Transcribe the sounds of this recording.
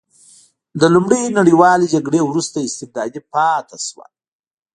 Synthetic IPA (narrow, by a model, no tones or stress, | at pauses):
d̪əlumɽejnaɽiwɑled͡ʒaɡɽewɾust̪aɪst̪ɪb̚d̪ɑd̪ipɑt̪aʃwa̰